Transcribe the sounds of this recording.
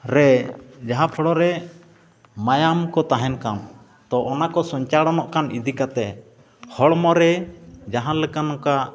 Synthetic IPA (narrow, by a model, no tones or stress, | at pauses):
ɾɛd͡ʒaɦãpʰɔɽɔɾɛ | majamkɔt̪aɦɛnkan | t̪ɔʔɔnakɔsɔɲt͡ʃaɽɔnɔʔkanid̪ikat̪ɛ | hɔɽmɔɾɛd͡ʒaɦãlɛkanɔka